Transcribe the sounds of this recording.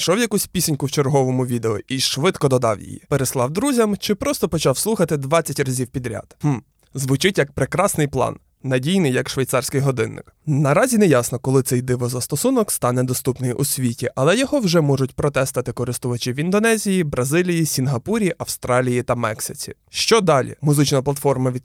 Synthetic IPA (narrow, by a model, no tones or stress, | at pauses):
ʃɔwjɐkusʲpʲisʲɪnʲkʊwt͡ʃerɦɔʋɔmʊʋʲid̪eɔʔiʃʋɪd̪kɔd̪ɔd̪ɑwjḭjḭpeɾeslˠɑwd̪ɾuzʲɐmt͡ʃɪpɾɔst̪ɔpɔt͡ʃɑwslˠuxɐt̪ɪd̪ʋɑt͡st͡sʲːɐtʲrɐzʲiwpʲid̪ɾʲa̰d̪̥hm̩ | zʋʊt͡ʃɪtʲjɐk̚pɾekɾɑsnɪjplˠɑ̰nː | ɐdʲijnɪjɐkʃʋɐjt̪sɑrsʲkɪjɦɔd̪ɪnːɪ̰knɐɾɑzʲinɛjɑsnɔkɔlˠɪt̪sɛjd̪ɪʋɔzɐst̪ɔsunɔkst̪ɑnɛd̪ɔst̪upnɪjʔʊsʲʋʲitʲiʔɐlˠɛjɔɦɔwʒɛmɔʒʊtʲpɾɔt̪ɛst̪ɐt̪ɪkɔɾɪst̪ʊʋɐt͡ʃɪʋʲind̪ɔnɛzʲijibɾɐzɪlʲijisʲinɦɐpuɾʲiʔɐwst̪ɾɑlʲijit̪ɐmɛksɪt͡sʲḭ | ʃt͡ʃɔd̪ɑlʲḭmʊzɪt͡ʃnɐplˠɐt̪fɔrmɐʋʲi